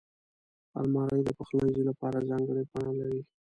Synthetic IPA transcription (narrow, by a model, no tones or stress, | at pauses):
a̰lmɑɾəjd̪əpəxlanzilapɑɾazɑŋɡəɽepɑɳalaɾi